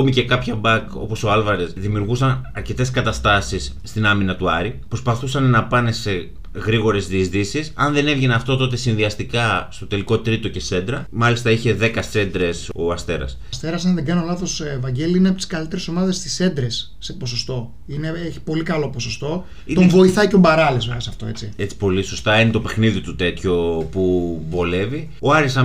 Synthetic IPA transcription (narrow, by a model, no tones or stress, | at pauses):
omice̞kɐpçɐbɐko̞̰po̞so̞ɐlvɐɾe̞sðimiuɾɣusɐnɐɾce̞t̪e̞skɐt̪ɐst̪ɐsisːt̪inɐminɐt̪uɐɾipɾo̞spɐθusɐnnɐpɐne̞se̞ | ɣɾiɣo̞ɾe̞zðiːzðisisɐnðe̞ne̞vʝe̞nɐft̪o̞t̪o̞t̪e̞sinðiɐst̪ikɐst̪o̞t̪e̞liko̞t̪ɾit̪o̞ce̞se̞nd̪ɾɐmɐlist̪ɐiçe̞ðekɐse̞nd̪ɾe̞so̞ɐst̪e̞ɾɐ̰sst̪e̞ɾɐsɐnðeɡɐnolɐθo̞svɐɲɟe̞liineɐpit̪i̥skɐlit̪e̞ɾeso̞mɐðe̞st̪i̥se̞nd̪ɾe̞sːe̞po̞so̞st̪o̞ | ine̞eçi̥po̞likɐlo̞po̞so̞st̪o̞ | it̪ovo̞iθɐicombɐɾɐlesmɐsɐft̪o̞̰e̞t͡sie̞t͡si̥po̞liso̞st̪ɐenet̪o̞pe̞xniðit̪ut̪et̪ço̞pubo̞le̞vi | oɐɾisɐ